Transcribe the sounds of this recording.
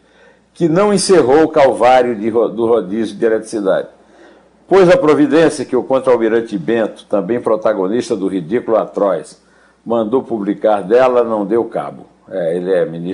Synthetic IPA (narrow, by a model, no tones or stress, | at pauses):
kɪnɐ̃w̃ẽseɦowʊkawvaɾjʊɪod̪ʊɦod̪izʊd͡ʒ̪ielɛt̪ɾi̥sid̪a̰d͡ʒɪ | pojzɐpɾovid̪ẽsjɐkɪʊkõt̪ɾawmiɾɐ̃t͡ʃ̪ɪbẽt̪ʊ̥t̪ɐ̃mbẽj̃pɾɔt̪aɡõniʃt̪ɐd̪ʊɦid̪ikulʊat̪ɾɔjs | mɐ̃nd̪owpublikaɾd̪ɛlɐnɐ̃w̃d̪ewka̰bʊ | ɛelɪɛmini